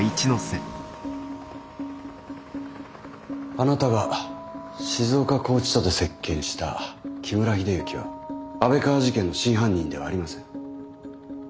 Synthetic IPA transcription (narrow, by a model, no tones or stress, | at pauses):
it͡ɕinose | anat̪aɡa | ɕizo̞ːkako̞ːt͡ɕi̥t̪ot̪o̞se̞kːẽ̞ɰ̃ɕi̥t̪a̰kʲʰimɯ̟ɾaçid̪ejɯ̟kʲiβa̰abe̞kaːʑikẽ̞nːo̞ɕĩɰ̃ɦãɲ̟ːĩnd̪e̞βa̰ːɾimasẽ̞ŋ̃